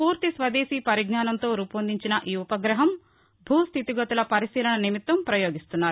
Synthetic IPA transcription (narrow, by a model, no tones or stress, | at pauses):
puːɾt̪isʋɐd̪eːsiːpɐɾiɡnaːnɐnt̪o̞ːɾuːpɐnd̪iɲt͡ʃinɐʔiːupɐɡɾɐɦɐm | bʱuːst̪ʰit̪iɡɐt̪ulɐpɐɾisiːlɐɳɐnimit̪ʋɐmpɾɐjoːɡist̪unːaːɾu